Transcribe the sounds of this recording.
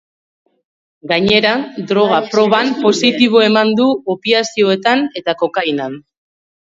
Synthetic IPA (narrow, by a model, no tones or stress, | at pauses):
ɡaɲe̞ɾad̪ɾo̞ɣ̞apɾo̞βampo̞sit̪iβ̞o̞e̞mand̪uopiasio̞e̞t̪ane̞t̪ako̞kajnan